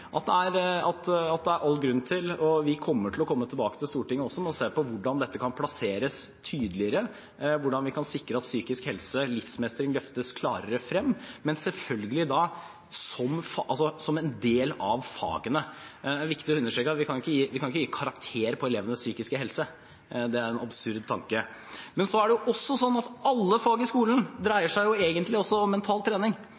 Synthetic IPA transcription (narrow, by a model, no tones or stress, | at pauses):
ʔɑt̪̚d̪ɛæɾɑt̪ɑt̪̚d̪ɛæɾʔɑlːɡɾʉnːt̪ʰɪlɔʋɪkʰɔmːəʈʰɪlɔkʰɔmːət̪ʰɪlbɑːkə̥t̪ʰɪlst̪uːʈɪŋːəɔsːɔmɛɔseːpɔʋʊɖɑnd̪ɛt̪ːəkʰɑnpʰlɑseːɾəst̪ʰyːd̪əlɪəɾə | ʋʊɖɑnʋɪkʰɑnsɪkɾəɑt̪syːkɪskhɛlsəlɪfsmɛst̪əɾɪŋlœft̪əskʰlɑːɾəɾəfɾɛmːmɛnsɛlfœlɡəlɪd̪ɑ | sɔmfʔɑlsɔsɔmɛnd̪eːlɑ̰ʋfɑ̰ːɡənəæʋɪkt̪ɪɔʉnːəʂʈɾøːkːɑt̪ʋɪkʰɑnʊɪkːəjiːʋɪkɑnɪkːəjiːkʰɑɾɑkt̪ʰeːɾəpʰɔɛleːʋənəsyːkɪskəɦɛlsə | d̪ɛæɾɛnɑbsʉɾd̪̚t̪ʰɑ̰ŋkə | mɛnsɔæɖɛjʊʔɔsːɔsɔnːɑt̪ɑlːəfɑːɡɪskuːlənd̪ɾæɪəʂæɪjʊeːɡənt̪lɪɔsːɔɔmːɛnt̪ʰɑːlt̪ʰɾeːnɪŋ